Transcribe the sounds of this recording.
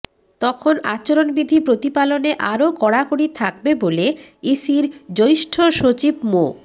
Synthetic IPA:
t̪ɔkʰona̰t͡ɕoɾonbid̪ʱipɾot̪ipaloneʔaɾokɔɽakoɽit̪ʰak̚beboleisiɾd͡ʑojʃʈʰoʃot͡ɕibmo

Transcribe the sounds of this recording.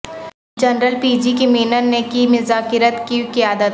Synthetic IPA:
d͡ʒɐnɾəlpiːd͡ʒikimiːnəɾnekimʊzaːkɪɾət̪kikɪaːd̪ət̪

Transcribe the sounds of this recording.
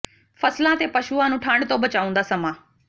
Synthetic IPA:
fʰəslãːt̪eːpəʃuːãːnũːʈʰãːɳɖt̪õːbət͡ʃaːʊ̃nd̪aːsəmãː

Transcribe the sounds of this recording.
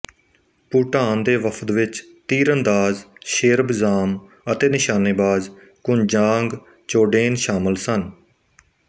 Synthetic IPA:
puːʈaːnd̪eːʋəpʰət̪ʋɪt͡ʃ | t̪iːɾənd̪aːzʃɪɾbzaːm | ət̪eːnɪʃaːneːbaːz | kʊnd͡ʒãːŋɡ | t͡ʃoːɖeːnʃaːməlsən

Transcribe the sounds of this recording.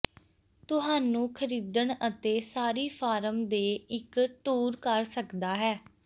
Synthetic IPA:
t̪ʊɦaːnũːkʰəɾiːd̪əɳət̪eːsaːɾiːpʰaːɾəmd̪eːɪkʈuːɾkəɾsəkd̪aːɦɛː

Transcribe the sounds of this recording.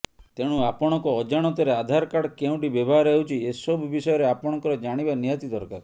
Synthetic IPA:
t̪eɽ̃uapɔɽ̃ɔŋkɔːd͡ʒaɽ̃ɔt̪ɔɾead̪ʱaɾkaɽkeũʈibebʱaɾewt͡ʃʰiesɔbʱbisɔjɔɾeapɔɽ̃ɔŋkɔɾɔd͡ʒaɽ̃ibanijat̪id̪ɔɾkaɾ

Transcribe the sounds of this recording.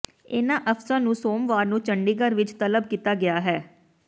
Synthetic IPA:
ɪnãːʔəpsãːnũːsoːmʋaːɾnũːt͡ʃəɳɖiːɡəɾʋɪt͡ʃt̪ələb̚kiːt̪aːɡɪaːɦɛː

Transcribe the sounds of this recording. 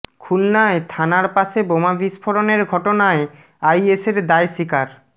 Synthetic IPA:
kʰulnaet̪ʰanaɾpaʃebomabiʃpʰoɾoneɾɡʱɔʈonae | ajeseɾd̪ajsikaɾ

